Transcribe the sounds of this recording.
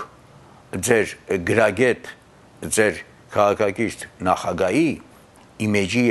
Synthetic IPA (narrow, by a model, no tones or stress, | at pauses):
d͡zɛɾɡəɾɑɡɛt̪ | d͡zɛɾ | kʰɑʁɑkʰɑkiɾt̪ʰnɑχɑɡɑji | imɛd͡ʒi